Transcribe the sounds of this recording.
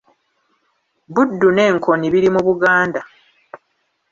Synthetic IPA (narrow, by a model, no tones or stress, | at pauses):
budːune̞ːŋkʰo̞niβiɾimuβuɡaːnda